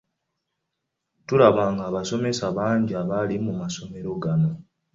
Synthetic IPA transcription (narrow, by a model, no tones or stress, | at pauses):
tulaβaːŋɡaːβaso̞me̞saβaːɲɟiaβalimumaso̞me̞ɾo̞ɡano̞